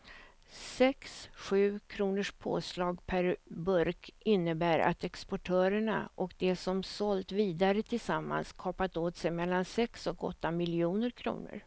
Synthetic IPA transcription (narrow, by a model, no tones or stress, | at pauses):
sɛksɧʉ̟ːkʰɾuːnəʂpʰo̰ːslɑːɡpʰæɾbɵɾkʰɪnːəbæːɾʔa̰t̪ɛkspɔʈʰœːɾəɳa̰ʔɔkd̪ɛsɔmsɔlt̪viːd̪aɾət̪ʰɪlsamːa̰nskʰɔːpat̪oːt̪sɛjmɛlːansɛksɔkɔ̰t̪ːamɪljuːnəɾkʰɾṵːn̰ə̰ɾ